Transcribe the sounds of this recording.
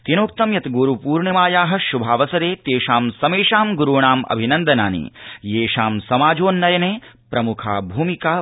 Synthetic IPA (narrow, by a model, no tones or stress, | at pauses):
t̪inoːk̚t̪ɐmjɐt̪ɡuːɾupuːɾɳɐmaːjaːɦɐ̆ʃubʱaːʋɐsɐd̪eːt̪eːʃaːmsɐmeːʂaːmɡuɾuːɳaːmɐ̰bʱinɐnd̪ʱɐna̰ːnḭjeːʂaːmsɐmaːd͡ʒoːnːɐjɐneːpɾɐmukʰa̰ːbʱuːmikaː